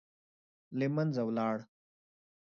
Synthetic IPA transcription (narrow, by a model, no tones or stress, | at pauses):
limɐnzɐwlaːɽ